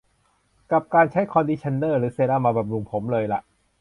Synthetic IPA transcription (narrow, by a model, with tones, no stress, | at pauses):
ka˨˩p̚kaː˧nt͡ɕʰa˦˥jkʰɔː˧ndiː˧t͡ɕʰa˧nːɤː˥˩ɾɯː˩˦seː˧laː˥˩maː˧baː˨˩p̚ɾu˧ŋpʰo˩˦mlɤː˧jla˧˩ʔ